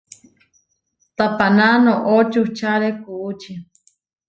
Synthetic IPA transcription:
t̪apananoʔot͡ʃut͡ʃaɾekuut͡ʃi

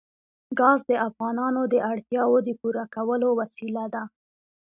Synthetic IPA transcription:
ɡɑzd̪əʔafɣɑnɑnod̪əʔaɽt̪jɑwod̪əpuɾakawəlowasilad̪a

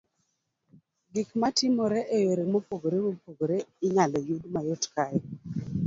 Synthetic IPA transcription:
ɡikmatɪmoɾɛʔejoɾemopoɡoɾewopoɡoɾeɪɲalɔjudmajotka

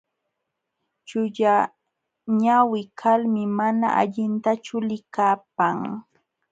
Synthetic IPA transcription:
t͡ʃʊʎa | ɲawɪkʰalmɪmana̰ʔa̰ʎɪnt̪at͡ʃʊlɪkaːp̚aŋ

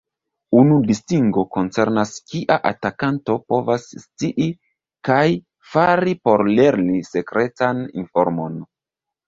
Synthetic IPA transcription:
unudistiŋɡo̞ko̞nt͡se̞ɾnaskiʔaʔa̰takanto̞po̞vasːt͡siʔi | kaj | faɾipo̞ɾle̞ɾnise̞kɾe̞tanḭnfo̞ɾmo̞n

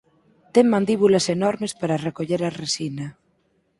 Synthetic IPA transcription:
t̪ɛŋmãnd̪iβulɐsenɔɾmespaɾarekoʎeɾaresinɐ

